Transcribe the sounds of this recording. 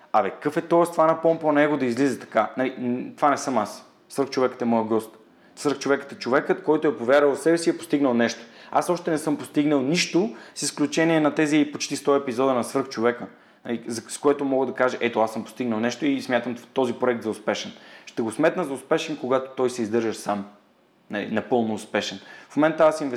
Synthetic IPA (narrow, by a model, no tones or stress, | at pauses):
avɛkkəfɛt̪ɔɛst̪ovanɐpɔmpɐnɛɡod̪ɐizlizɛt̪ɐ̥kanɐlit̪o̥vanɛsɤmas | svəɾxt͡ʃovɛkə̥t̪ɛmɔjəɡɔst̪ | svəɾxt͡ʃovɛkə̥t̪ɛt͡ʃovɛkət̪kɔjt̪oɛpovʲjaɾəlˠsɛbɛsiɛpo̥st̪iɡnəlˠnɛʃt̪o̥a̰sɔʃt̪ɛnɛsɤmpost̪iɡnəlˠniʃt̪osisklʲut͡ʃɛniɛnɐt̪ɛzipot͡ʃt̪ist̪ɔɛpizɔd̪ənɐsvɤɾxt͡ʃovɛkə | nɐ̰lizɐskoɛt̪omɔɡəd̪ɐkaʒəʔɛt̪oasɤmpo̥st̪iɡnəlˠnɛʃt̪oismʲjat̪əmt̪ɔzipɾoɛk̚t̪zɐʊspɛʃɛnʃt̪ɛɡosmɛt̪nəzɐʊspɛʃɛnkoɡat̪o̥t̪ɔjsɛizd̪ɤɾʒəʃsam | nɐlḭnɐpɤlˠnoːspɛʃɛnfmomɛnt̪ːəasinvɛ